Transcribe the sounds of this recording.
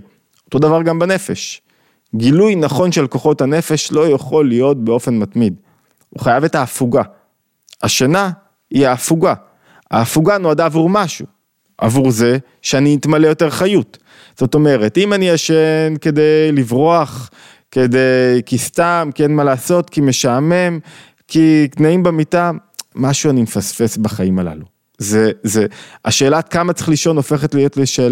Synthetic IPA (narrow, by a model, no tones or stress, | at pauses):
o̞t̪o̞d̪avaʁɡambane̞fe̞ʃ | ɡilujnaχo̞nʃelko̞χo̞tanefe̞ʃlo̞jaχo̞lijo̞t̚beo̞fe̞nmatmid | ṵχajave̞taːfuɡa | aʃana | hiaːfuɡa | ha̰ːfuɡanoadaːvuʁmaʃu | ʔa̰vuʁze̞ | ʃeaniːtmalejo̞te̞ʁχajut | z̥o̞to̞me̞ʁe̞timaniaʃenke̞de̞jlivʁoaχ | ke̞dejkistamkenmalaːso̞tkime̞ʃame̞m | kiknaimbemita | maʃuanimefasfe̞sbaχaimala̰lu | zezeaʃe̞ːlaːtkamat͡se̥χliʃo̞no̞fe̞χetlijo̞tleʃe̞ːla